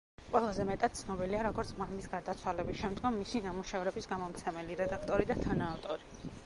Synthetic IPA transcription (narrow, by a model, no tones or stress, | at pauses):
qʼwɛlˠazɛmɛt̪ʼat̪̚sʰnɔbiliaɾɔɡɔɾt̪sʰmamisɡaɾd̪at̪sʰwalɛbisʃɛmd̪ɡɔmːisinamuʃɛvɾɛbisɡamɔmt̪sʰɛmɛliɾɛd̪akʰt̪ʼɔɾid̪at̪ʰanaːft̪ʼɔɾi